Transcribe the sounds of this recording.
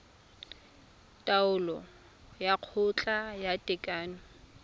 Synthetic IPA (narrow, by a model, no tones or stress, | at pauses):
tʼaʊlɔ | jaq͡χʰʊt͡ɬʼajatʼɛkʼaːnʊ